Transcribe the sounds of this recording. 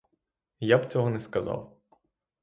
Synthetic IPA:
jabt͡sʲɔɦɔnɛskɐzɑ̰w

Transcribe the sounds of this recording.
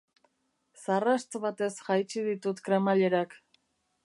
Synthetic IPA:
sarast͡s̪βat̪e̞sxajt͡ʃiðit̪ut̪kɾemaʎeɾak

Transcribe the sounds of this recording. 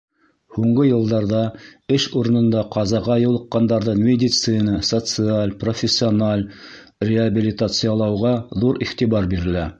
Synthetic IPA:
huɴɢɤjɤ̆lˠd̪ɑɾðɑɘʃuɾɤ̆nɤ̆nd̪ɑqɑzɑʁɑjɤ̆wlˠɤ̆qːɑnd̪ɑɾðɤnmʲedʲit̪sɨnəsot̪sɨalʲprofʲɪsʲːɪonalʲ | rʲɪabʲilʲit̪at̪sɨjalˠɑwʁɑðuɾiχt̪iβɑɾbiɾɘ̆læ

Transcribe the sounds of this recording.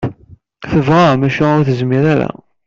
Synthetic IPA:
θəvʁamæʃæʊɾθəzmiɾæɾæ̰

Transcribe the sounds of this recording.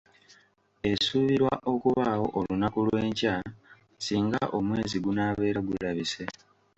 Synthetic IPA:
e̞suːβiɾwa̰ʔo̞kuβaːho̞̰ʔolunakulwe̞ːɲca | siːŋɡa̰ʔo̞mwe̞ːziɡunaːβe̞ːɾaɡuɾaβise̞

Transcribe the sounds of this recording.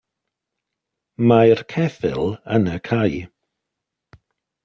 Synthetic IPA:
majrkʰɛθɪ̰lˠənəkʰaj

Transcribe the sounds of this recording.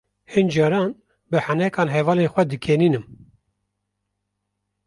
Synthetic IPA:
hɨnd͡ʒɑːɾɑːn | bɨhanɛkɑːnɦɛvɑːleːnxʷɛd̪ɨkʰeniːnɨm

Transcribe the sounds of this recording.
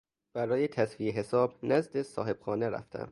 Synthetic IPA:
b̥æɾɒːjet̪ʰæsfieɦe̞sɒːbnæzd̪e̞sɒ̰ːhe̞b̥xɒːneɾæ̰ft̪ʰæ̰m

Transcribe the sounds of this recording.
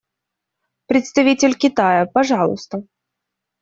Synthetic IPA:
pɾʲɪt̪st̪ɐvʲitʲɪlʲkʲɪt̪ajəpɐʐɑlˠʊ̰st̪ə

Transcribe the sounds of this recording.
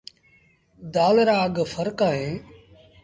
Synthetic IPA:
d̪aːlɾaːɡfʰəɾkaːɦẽː

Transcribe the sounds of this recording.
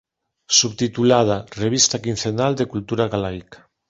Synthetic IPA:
suβt̪it̪ulað̞areβist̪akin̟θenald̪ekult̪uɾaɣalajkḁ

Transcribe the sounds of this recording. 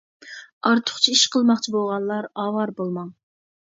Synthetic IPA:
ɑɾt̪ʰʊ̥χt͡ʃʰiiʃqʰəlˠmɑχt͡ʃʰibolˠʁɑnˠːɑɾɑːwɑɾbolˠmɑŋ

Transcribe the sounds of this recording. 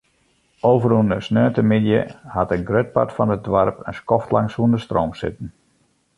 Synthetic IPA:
oːvərunəsnøːntəmɪdjə̰hatənɡrøt̚pa̰tfɔnət̚dʋarpə̰nskɔftlaŋsuəndəstroːmsɪ̰tən̩

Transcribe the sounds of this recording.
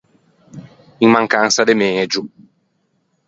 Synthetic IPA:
iŋmaŋkansad̪emeːd͡ʒu

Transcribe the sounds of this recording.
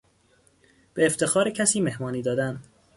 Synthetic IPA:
b̥eːft̪ʰe̞xɒːɾecʰæsiːme̞hmɒːniːd̪ɒːd̪ænd̪

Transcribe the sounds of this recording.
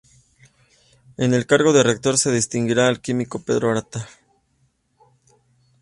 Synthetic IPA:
e̞ne̞lkaɾɣo̞ðe̞rek̚t̪o̞ɾse̞ðist̪iŋɡiɾaːlkimiko̞pe̞ðɾoaɾat̪a

